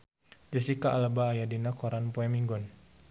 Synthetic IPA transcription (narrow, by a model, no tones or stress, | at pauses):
d͡ʒəsikaʔalabaːjadinakɔɾanpɔɛmiŋɡɔn